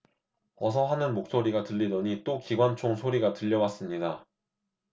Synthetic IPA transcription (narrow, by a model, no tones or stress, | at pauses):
ʌsʰʌɦanɯnmok̚s͈oɾiɡatɯʎːidʌɲit͈okiɡwant͡ɕʰoŋsʰoɾiɡatɯʎːʌwas͈ɯmɲida